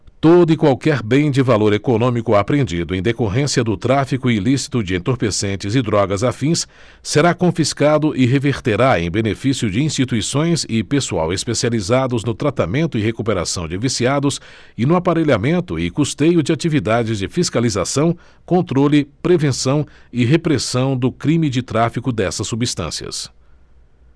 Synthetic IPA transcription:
t̪od̪ʊɪkwawkɛɾbẽj̃d͡ʒɪvaloɾekonõmikʊapɾẽnd͡ʒid̪ʊẽj̃d̪ekoɦẽsiɐd̪ʊt̪ɾafikʊɪlisi̥t̪ʊd͡ʒɪẽt̪oɾpesẽnt͡ʃɪzɪd̪ɾɔɡɐzafĩsː | eɾakõfiskad̪ʊʔɪɦeveɾt̪eɾaḛ̃j̃benefisjʊd͡ʒɪĩst͡ʃit̪uisõj̃sɪpesua̰wespesializad̪ʊznʊt̪ɾat̪amẽnt̪ʊɪɦekupeɾa̰sɐ̰̃w̃d͡ʒɪvisiad̪ʊsɪnʊapaɾeʎamẽnt̪ʊɪkust̪ejʊd͡ʒɪat͡ʃivid̪ad͡ʒɪzd͡ʒɪfiskalizasɐ̃w̃ | kõnt̪ɾolɪpɾevẽsɐ̃w̃ɪɦepɾesɐ̃w̃d̪ʊkɾĩmɪd͡ʒɪt̪ɾafikʊd̪ɛsɐsːubist̪ɐ̰̃siɐ̰s

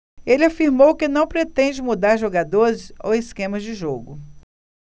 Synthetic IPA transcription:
elɪafiɾmowkɪnɐ̃w̃pɾet̪ẽd͡ʒɪmud̪aɾʒoɡad̪oɾɪso̰wɪskẽmɐzd͡ʒɪʒoɡʊ

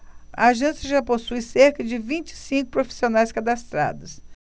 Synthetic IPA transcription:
ɐ̰aʒẽsjɐʒaposujseɾkɐd͡ʒɪvĩt͡ʃɪ̥sĩkʊpɾofi̥sionajskad̪ast̪ɾa̰d̪ʊs

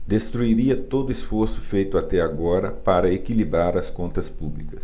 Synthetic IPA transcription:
d̪est̪ɾuiɾiɐt̪od̪ʊesfoɾsʊ̥fejt̪ʊat̪ɛaɡɔɾɐpaɾɐekilibɾaɾɐskõnt̪ɐspublikɐs

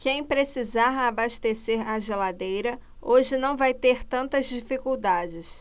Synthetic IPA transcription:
kẽj̃pɾesizaabaʃt̪eseɾaʒelad̪ejɾɐoʒɪnɐ̃w̃vajt̪eɾt̪ɐ̃nt̪ɐzd͡ʒifikuwd̪ad͡ʒɪs

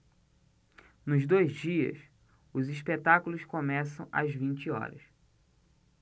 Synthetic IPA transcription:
nʊzd̪ojzd͡ʒiɐ̰s | ʊziʃpet̪akulʊskomɛsɐ̃w̃ʔɐ̰zvĩnt͡ʃɪɔ̰ɾɐ̰s

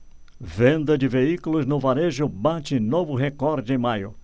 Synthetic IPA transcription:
vẽnd̪ɐd͡ʒɪveikʊlʊznʊvaɾeʒʊbat͡ʃɪnovʊɦekɔɾd͡ʒẽj̃majʊ̰

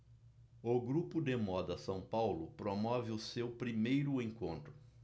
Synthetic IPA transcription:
ʊɡɾupʊd̪emɔd̪ɐsɐ̃w̃pawlʊpɾomɔvɪʊsewpɾimejɾʊẽŋkõnt̪ɾʊ

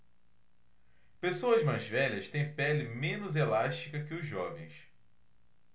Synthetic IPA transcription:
pesoɐzmajzvɛʎɐst̪ẽj̃pɛlɪmẽnʊzelaʃt͡ʃikɐkɪʊzːɔvẽj̃s

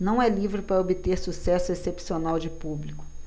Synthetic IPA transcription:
nɐ̃w̃ɛlivɾɪpɾɐobɪt̪eɾsusɛsʊesepsionawd͡ʒɪpublikʊ̥

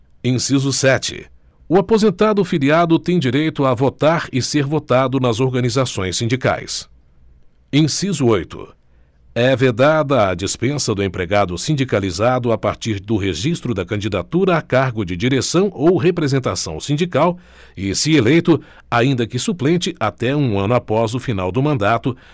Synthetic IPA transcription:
ẽsizʊsɛt͡ʃɪ̰ | ʊapozẽnt̪ad̪ʊfiliad̪ʊt̪ẽj̃d͡ʒiɾejt̪ʊavot̪aɾɪseɾvot̪ad̪ʊnɐzoɾɡɐ̃nizasõj̃sːĩnd͡ʒika̰js | ẽj̃sizʊojt̪ʊ̰ | ɛved̪ad̪ɐːd͡ʒispẽsɐd̪ʊẽpɾeɡad̪ʊsĩnd͡ʒikalizad̪ʊapaɾt͡ʃiɾd̪ʊɦeʒist̪ɾʊd̪ɐkɐ̃nd͡ʒid̪at̪uɾɐakaɾɡʊd͡ʒɪd͡ʒiɾesɐ̃w̃owɦepɾezẽnt̪asɐ̰̃w̃sĩnd͡ʒikaw | ɪsɪelejt̪ʊ | aĩnd̪ɐkɪsuplẽnt͡ʃɪʔat̪ɛũɐ̃nʊapɔzʊfinawd̪ʊmɐ̃nd̪at̪ʊ

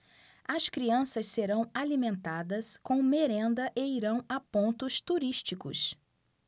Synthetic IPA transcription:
ɐskɾiɐ̃sɐsseɾɐ̃w̃alimẽnt̪ad̪ɐskõw̃meɾẽnd̪ɐʔeiɾɐ̃w̃apõnt̪ʊst̪uɾiʃt͡ʃikʊ̰s

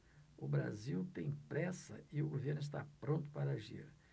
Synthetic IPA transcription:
ʊbɾa̰ziwt̪ẽj̃pɾɛsɐɪʊɡoveɾnʊɪs̬t̪a̰pɾõnt̪ʊ̥paɾɐaʒḭɾ

